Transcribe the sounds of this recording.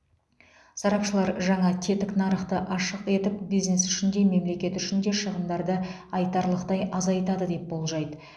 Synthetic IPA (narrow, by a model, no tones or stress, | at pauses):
sɑɾɑpʃəlˠɑɾʒɑɴɑt̪ʲʰe̞t̪ɪknɑɾəχt̪əʔɑʃəqe̞t̪ɪpbijzne̞sʏʃɪnd̪e̞me̞mle̞kʲe̞t̪ʏʃɪnd̪e̞ʃəʁəmd̪ɑɾd̪ə | ɑjt̪ɑɾlˠəqt̪ɑjʔɑzɑjt̪ɑd̪əd̪e̞p̚bo̞lˠʒɑjd̪ə